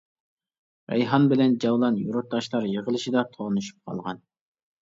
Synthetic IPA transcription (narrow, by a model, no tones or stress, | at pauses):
ɾɛ̰jɦɑnbɪlɛnd͡ʒɑwlˠɑnjuɾʊt̪ʰːɑʃlˠɑɾjəʁəlˠɨʃid̪ɑt̪ʰoʁnɨʃy̥p̚qʰɑ̰lˠʁɑn